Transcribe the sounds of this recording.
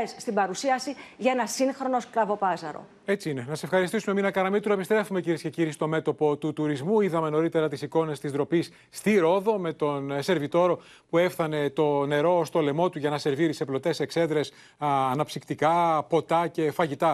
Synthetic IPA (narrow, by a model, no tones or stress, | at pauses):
esːt̪ibɐɾusiɐsiʝɐenɐsiŋxɾo̞no̞skɾɐvo̞pɐzɐɾo̞̰ | e̞t͡siine̞nɐsee̞fxɐɾist̪isumeminɐkɐɾɐmit̪uɾoepist̪ɾe̞fume̞ciɾiesce̞ciɾist̪o̞me̞t̪o̞po̞t̪ut̪uɾizmuiðɐme̞no̞ɾit̪e̞ɾɐt̪isiko̞ne̞st̪izðɾo̞pisːt̪iɾo̞ðo̞me̞t̪o̞nse̞ɾvit̪o̞ɾo̞ | pue̞fθɐne̞t̪o̞ne̞ɾo̞st̪o̞le̞mo̞t̪uʝɐnɐse̞ɾviɾiiseplo̞t̪e̞se̞kse̞ðɾes | ɐnɐpsikt̪ikɐpo̞t̪ɐce̞fɐʝit̪ɐ